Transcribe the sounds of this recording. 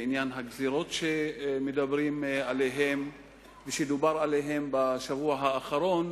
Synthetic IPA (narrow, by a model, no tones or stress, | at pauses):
injanɦaɡziɾo̞t̪ʃemed̪abʁimalejɦe̞m | veʃemd̪ubaʁalejɦe̞mbaʃavuaɦaːχaɾo̞n